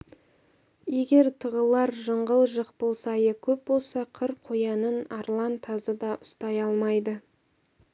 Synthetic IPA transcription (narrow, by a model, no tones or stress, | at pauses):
je̞ɡʲe̞ɾt̪ʰəʁəlˠɑɾʒəɴʁəlˠʒəqpolˠsɑjəkʲʰɵp̚bo̞lˠsɑqʰəɾqʰːojɑnənɑɾlˠɑnt̪ʰɑzəd̪ɑʔʊst̪ɑjɑlˠmɑjd̪ə